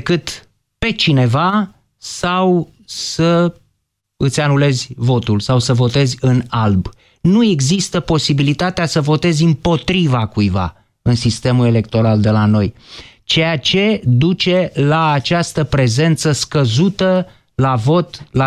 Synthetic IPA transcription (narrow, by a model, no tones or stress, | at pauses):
kɨt̪ | pe̞t͡ʃine̞va | saw | sə | ɨt̪sʲanule̞zʲvo̞t̪ulsawsəvo̞t̪e̞zʲɨnalb | nue̞ɡzist̪əpo̞sibilit̪at̪easəvo̞t̪e̞zʲɨmpo̞t̪ɾivakujva̰ | ɨnsist̪e̞mule̞le̞k̚t̪o̞ɾald̪e̞lano̞j | t͡ʃe̞jat͡ʃe̞d̪ut͡ʃe̞laːt͡ʃast̪əpɾe̞ze̞nt̪səskəzut̪ə | lavo̞t̪la